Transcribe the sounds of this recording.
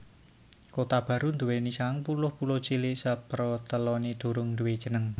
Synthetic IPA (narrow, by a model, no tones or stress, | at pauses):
kot̪ab̥ä̤ɾund̪uwenisaŋpulʊhpulʊht͡ʃilɪʔsəpɾɔt̪əlɔnid̪̥o̤ɾʊŋnd̪uwed̥ʒ̥ə̤nəŋ